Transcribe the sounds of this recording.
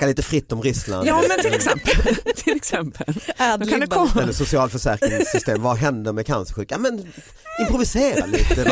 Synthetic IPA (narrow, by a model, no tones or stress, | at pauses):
kːaliːt̪əfɾɪt̪ːɔmɾʏsla̰nmɛɪɛsɛmpt̪ʰɪlɛksɛmpʰəld̪əsʊsɪɑːlfœʂæːɾkɾɪŋsːʏst̪eːmvaɦɛnd̪əɾmɛkʰa̰nsəɾɧʉ̟ːkjamɛn | ɪmpɾʊvɪseːɾa̰liːt̪ə